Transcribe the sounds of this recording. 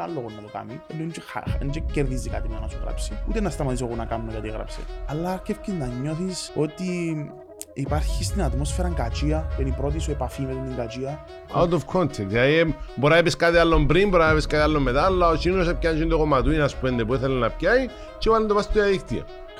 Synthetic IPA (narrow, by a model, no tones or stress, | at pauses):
alːoɣonːɐt̪oka̰mielːont͡ʃexa̰nd͡ʒecːeɾðizika̰t̪imanɐsuɣɾa̰psiut̪enɐst̪ɐmɐt̪is̬oɣonɐkanumekɐt̪iiɣɾɐ̰psḛɐlːakefcinːɐɲːo̞θisot̪i | ipaɾçist̪inɐt̪mo̞sfeɾɐŋɡat͡ʃiɐpenipɾo̞t̪̬isuepafimet̪iniŋɡat͡ʃiɐ | a̰wt̪ofkʰont̪ʰenðilɐðiboɾaepeskat̪ialːombɾimboɾaepeskat̪ialːomːet̪alːɐot͡ʃinosep̚cant͡ʃind̪oɣomɐt̪uinɐspuend̪epuiθelenːɐpcai | t͡ʃepand̪opast̪t̪oaðikt̪iɐ̰